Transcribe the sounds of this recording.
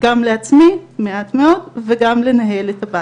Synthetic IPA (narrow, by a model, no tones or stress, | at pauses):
ɡ̥amle̞at͡smimeatme̞o̞dveɡamle̞naɦe̞letaba